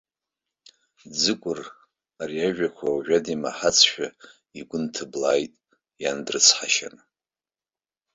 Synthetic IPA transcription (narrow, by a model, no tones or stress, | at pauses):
d͡zɨkʷʼʊr | aɾiaʒᶣakʷʰawʒᶣadima̰ħat͡sʰʃᶣa | iɡʷʊntʰɨblaːjtʼ | jandrɨt͡sʰħaʃa̰n